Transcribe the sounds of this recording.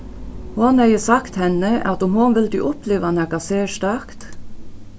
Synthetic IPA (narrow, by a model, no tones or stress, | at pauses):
honæɪəsɑkt̪hɛnəʔɑt̪ʊmhʊnʋɪld̪y̰ːʔʊpleːʋɑnæɡɑseːʃt̪ɑkt̪